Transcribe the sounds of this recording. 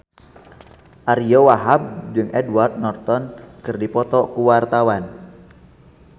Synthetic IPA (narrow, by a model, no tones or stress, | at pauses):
ʔaɾijɔwaɦab̚d͡ʒɨŋʔɛdward̪̚nɔrt̪ɔnkɨrdipɔt̪ɔkuwart̪awan